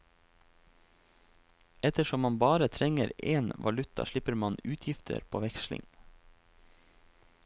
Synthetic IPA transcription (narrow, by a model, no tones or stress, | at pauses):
ɛt̪əʃɔmmɑnbɑːɾət̪ʰɾɛŋəɾʔeːnʋʔɑlʉt̪ɑ̰ʃɭɪpəɾmɑnʉːt̪ʰjɪft̪ʰə̰ɾpʰo̰ːʋɛkʃlɪ̰ŋ